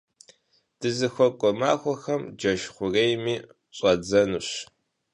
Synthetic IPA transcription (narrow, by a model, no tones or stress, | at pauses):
d̥ɨzɨxʷɔkʷʼɔmaːxʷɔxɐmd͡ʒɐʃχʷʊrejmiː | ɕʼɐd͡zɐnuɕ